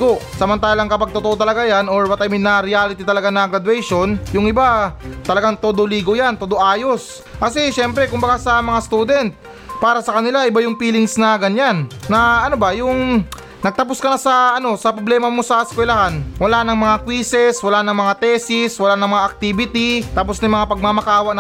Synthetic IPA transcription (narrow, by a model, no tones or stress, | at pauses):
ɡo̞sɐmɐnt̪aːlɐŋkɐpɐɡ̚t̪ot̪oʔo̞t̪ɐlɐɡajano̞ɹwɐt̪ɐmɪnɐɾɪjaːlɪt̪it̪ɐlɐɡanɐɡɾɐd̪wɛjʃo̞njʊŋʔɪbat̪ɐlɐɡaŋt̪od̪oliːɡo̞jant̪od̪oʔaːjo̞s | kɐsɛʃɛmpɾɛkʊmbɐɡasɐmɐŋast̪uːd̪ɛnt̪̚ | paːɾɐsɐkɐnɪlaʔɪbajʊŋpiːlɪŋsnɐɡɐɲanːɐʔɐnobɐjʊŋ | nɐɡ̚t̪ɐp̬oskɐnɐsɐʔɐno̞sɐpɾoblɛːmɐmo̞sɐskwɛlɐɦanwɐlanɐŋmɐŋakwiːsɛswɐlanɐŋmɐŋat̪ɛsɪswɐlanɐŋmɐŋaʔɐk̚t̪ibɪt̪it̪aposnɐjmɐŋapɐɡ̚mamɐkaːwɐknɐ